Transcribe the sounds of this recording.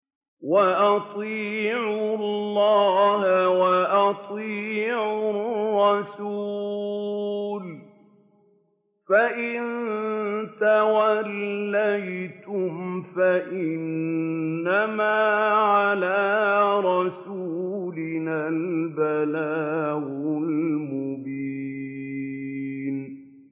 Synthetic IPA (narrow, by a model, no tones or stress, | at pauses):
waʔɑt̪ˤiːʕʊlːɑːhawaʔɑt̪ˤiːʕʊʊrrːɑsuː | l | faʔɪn | t̪awalːajt̪ʊmfaʔɪnː | amaːʕalaːɾˤɑsuːlɪnalbalaːɣʊlmʊbi | n